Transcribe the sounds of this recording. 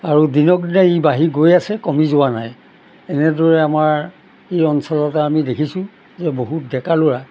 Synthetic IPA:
aɹudinɔkdinaibaɦiɡojasɛkɔmizʊwanaj | ɛnɛdɔɹɛamaɹ | xijɔnsɔlɔtaamidekʰisʊ̃ | zɛboɦut̚dɛkalʊɹa

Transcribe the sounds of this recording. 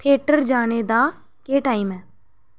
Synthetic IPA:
t̪ʰeːʈəɾd͡ʒaːñeːd̪aː | keːʈaːiːmɛː

